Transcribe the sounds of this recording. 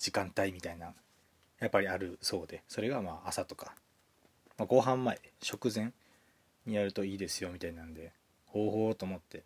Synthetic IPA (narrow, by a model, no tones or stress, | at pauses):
d͡ʑikãnt̪aimʲit̪ainã | japːaɾʲiaɾɯ̟so̞ːd̪e̞so̞ɾe̞ɡamaːʔasat̪o̞̥kḁ | maɡo̞ɦãmːaeɕo̞kɯ̟zẽ̞n | ɲ̟ijaɾɯ̟t̪o̞iːd̪e̞sɨjo̞mʲit̪ainãnd̪e̞ | ho̞ːho̞ːt̪o̞ːmo̞t̪ːe̞